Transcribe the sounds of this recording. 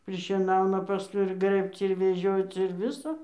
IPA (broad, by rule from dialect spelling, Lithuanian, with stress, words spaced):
pʲrʲɪʃʲiɛˈnɐʊnɐ pɐˈskʊɪ ɪr ˈɡrɘpt͡s ɪr ʋʲɛˈʒʲoːt͡s ɪr ˈʋʲɪsoː